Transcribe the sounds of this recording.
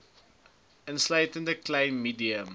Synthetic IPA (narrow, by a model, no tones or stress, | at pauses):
ənslɐjtəndəklɐ̃jmːiːdiə̃m